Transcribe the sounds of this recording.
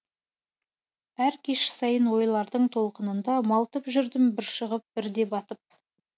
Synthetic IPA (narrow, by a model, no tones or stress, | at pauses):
æɾkʲʰe̞ʃɪ̥sɑjənwo̞jlˠɑɾd̪əɴt̪ʰo̞lˠqənənd̪ɑmɑlˠt̪əpʒʏɾd̪ɪmbɪɾʃəʁəp̚b̥ɪɾd̪e̞bɑt̪əp̚